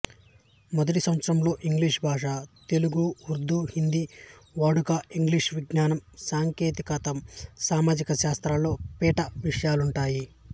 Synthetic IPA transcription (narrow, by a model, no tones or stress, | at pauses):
mɔd̪ɐʈisɐʋɐt̪sɐɾɐmlo̞ːʔiŋɡliʂbʱaːʂaːt̪e̞luɡuuɾd̪ːuːhind̪iʋaːɽukaiŋɡliʂʋiɡnaːnɐmsaːŋkeːt̪ikɐt̪ɐmsaːmaːd͡ʒikɐʃaːst̪ɾaːlo̞ːpɛːʈɐʋiʂɐjaːluɳʈaːji